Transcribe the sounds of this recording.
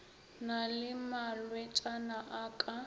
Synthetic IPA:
nalɪmalwɛt͡ʃʼanaʔaːkʼa

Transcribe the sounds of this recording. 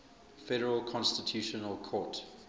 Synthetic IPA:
fɛɾəɹəlˠkʰɔ̃nstɪtʰjuːʃənəlˠkʰɔːˑt

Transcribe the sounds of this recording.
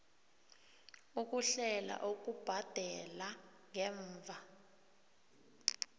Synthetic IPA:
uk̬ʼuɬɛla̰ʔok̬ʼub̥ʱad̥ʱɛla | ŋɛːɱvʱa

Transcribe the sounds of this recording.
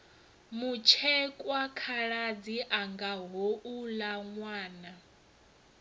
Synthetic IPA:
mut͡ʃʰɛkʼwakʰaɺad͡ziʔaŋɡaɦoʔulaŋwaːna

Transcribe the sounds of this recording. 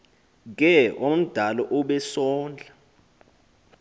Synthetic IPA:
k̬ɛʔom̩d̥ʱalɔʔuɓɛsɔːnd͡ɮʱa

